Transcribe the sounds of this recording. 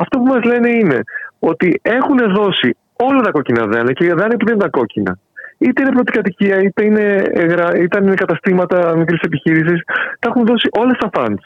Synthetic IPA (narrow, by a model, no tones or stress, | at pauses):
ɐft̪o̞pumɐzle̞neine̞̰o̞t̪ie̞xune̞ðo̞si | o̞lɐt̪ɐko̞cinɐ̰ðɐnɐceðɐnipuðent̪ɐko̞cinɐ̰ | it̪e̞ine̞plot̪ikɐt̪iciɐit̪e̞ine̞ɣɾɐit̪ɐnkɐt̪ɐst̪imɐt̪ɐmikɾise̞piçiɾis̬ist̪ɐexunðo̞siʔo̞lest̪ɐfɐ̰ns